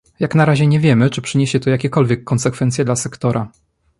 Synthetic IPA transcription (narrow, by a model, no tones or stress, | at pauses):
jaknaɾaʑɛɲɛvʲjɛmɘt͡ʂɘpʂɘɲeɕɛt̪ɔjakʲɛkɔlvʲjɛkːɔnsɛkfɛnt̪sʲjɛd̪lasɛkt̪ɔɾʔa